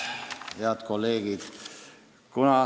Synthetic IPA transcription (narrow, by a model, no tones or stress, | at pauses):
heɑt̪kolːeːɡ̥id̪ | kunɑ